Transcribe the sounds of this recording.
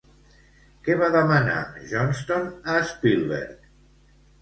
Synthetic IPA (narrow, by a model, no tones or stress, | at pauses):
kɛβaðəmana̰ʒɔnst̪onaspilˠβḛɾt̪